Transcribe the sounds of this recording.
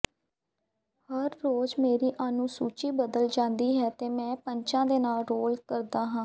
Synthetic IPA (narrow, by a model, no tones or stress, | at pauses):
həɾːoːd͡ʒmeːɾiːʔaːnũːsuːt͡ʃiːbəd̪əld͡ʒãːnd̪iːɦɛːt̪eːmɛ̃ːpəɲt͡ʃãːd̪eːnaːlɾoːlkəɾd̪aːɦãː